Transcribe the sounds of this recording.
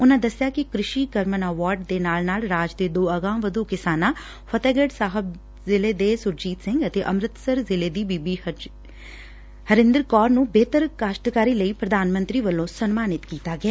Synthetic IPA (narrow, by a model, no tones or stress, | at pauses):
ʊnãːd̪əsɪjaːkɪkɾɪʃiːkəɾmənəʋaːɾɖ̚d̪eːnaːlnaːlɾaːd͡ʒd̪eːd̪oːəɡãːʋəd̪uːkɪsaːnãː | fʰət̪ɛːɡəɖsaːɦəb | zɪleːd̪eːsʊɾd͡ʒiːt̪sɪ̃ŋɡət̪eːʔəmɾɪt̪səɾzɪleːd̪iːbiːbiː | həɾɪ̃nd̪ɾkɔːɾnũːbeːt̪əɾkaːʃʈkaːɾiːləiːpɾəd̪ʱaːnmə̃nt̪ɾiːʋəlːõːsənmaːnɪt̪kiːt̪aːɡeaː